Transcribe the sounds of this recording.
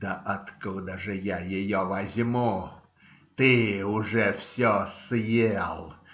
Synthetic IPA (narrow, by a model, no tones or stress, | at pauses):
d̪əʔɐt̪kud̪əʐɨjajɪjovɐzʲmu | t̪ɨʊʐɛfsʲosjelˠ